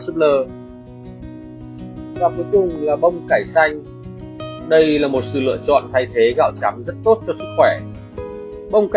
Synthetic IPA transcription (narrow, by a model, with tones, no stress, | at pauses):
sɨ˦˥k̚ləː˨˩ | vaː˨˩ku˨˦jkʊ˨˩ŋ͡mlaː˨˩ɓə˧wŋ͡mkaː˧˩jsa˧jŋ̟ | ɗə˧jlaː˨˩mo˨˩t̚sɨ̰˧˨lɨ̰˧˨ət͡ɕɔ̰˧˨nt̪ʰa˧jt̪ʰe˨˦ɣaː˧˩wt͡ɕaː˨˦mzə˦˥t̚t̪o˦˥t̚t͡ɕɔ˧sɨ˦˥k̚xwɛ˧˩ | ɓə˧wŋ͡mk